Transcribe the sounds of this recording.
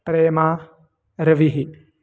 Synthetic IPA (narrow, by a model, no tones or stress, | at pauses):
pɾeːmaː | ɾɐʋiɦi